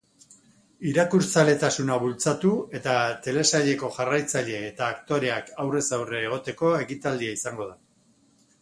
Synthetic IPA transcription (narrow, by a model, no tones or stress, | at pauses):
iɾakuɾt͡sale̞t̪asunaβult͡sat̪ue̞t̪at̪e̞lesaʎe̞ko̞ʝarajt͡saʎe̞ːt̪aːkt̪o̞ɾe̞akawre̞sawreːɣ̞o̞t̪e̞ko̞e̞kit̪ald̪iaisaŋɡo̞ð̞a